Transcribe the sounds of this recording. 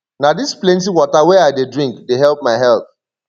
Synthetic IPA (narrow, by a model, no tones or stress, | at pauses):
nadisplɛ̃ntiwɔtawɛaɪdedɹĩŋkdeɦɛlˠp̚maɪɦɛlˠθ